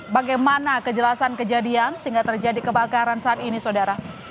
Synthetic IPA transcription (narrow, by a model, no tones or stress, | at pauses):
baɡajmanakəd͡ʒəlasankəd͡ʒadiansəiŋɡaʔt̪ərd͡ʒadikəbakaɾansaːt̪inisodaɾa